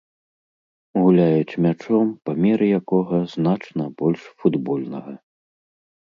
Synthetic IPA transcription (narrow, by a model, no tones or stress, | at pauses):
ɣulʲajut͡ɕmʲat͡ʂɔmpɐmʲɛɾɨjakɔɣɐzn̪at͡ʂnɐbɔlʲʂfud̪bɔlʲnɐɣɐ